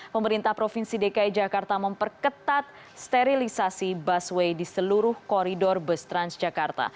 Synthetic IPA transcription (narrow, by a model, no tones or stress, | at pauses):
pəməɾint̪ahpɾofinsidekaid͡ʒakart̪aməmpərkət̪at̪̚ | st̪eɾilisasibaswejdisəluɾʊhkɔɾidɔrbəst̪ɾansd͡ʒakart̪a̰